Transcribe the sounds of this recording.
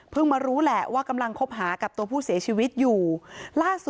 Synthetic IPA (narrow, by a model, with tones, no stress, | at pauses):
pʰɯ˥˩ŋmaː˧ɾuː˦˥lɛ˨˩waː˥˩ka˧mla˧ŋkʰo˦˥p̚ɦaː˩˦ka˨˩p̚t̪u˧ɐpʰuː˥˩si˩˦ɐt͡ɕʰiː˧wi˦˥t̪̚juː˨˩laː˥˩su˨˩